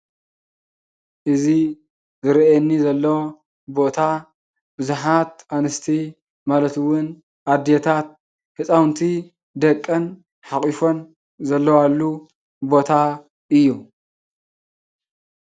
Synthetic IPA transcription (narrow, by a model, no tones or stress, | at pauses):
ʔɨzi | zɨɾɛnːizɐlːow | bo̞t̪ʰa | bɨzuħat̪ʔanɨst̪ʰi | malɐt̪ɨwʊn | ʔad̪et̪ʰat̪̚ | hɨsʼawnt̪ʰi | d̪ɐkʼːɐn | ħaχʼifo̞n | zɐlːɐwalːu | bo̞t̪ʰa | ʔɨjːu